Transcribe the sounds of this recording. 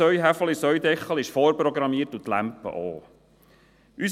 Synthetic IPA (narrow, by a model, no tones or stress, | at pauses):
œɥɦæfəlisœɥd̪ɛχːəlɪʃfoːɾpɾɔɡɾɑmiətut̪læ̰mpə̰ʔo̰ː | ʔys